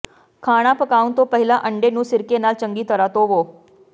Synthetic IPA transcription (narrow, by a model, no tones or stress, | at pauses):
kʰaːɽ̃apəkaːũnt̪opəɦɪlaʔəɳɖenũːsɪɾkenaːlt͡ɕəŋɡiːt̪əɾat̪oʋoː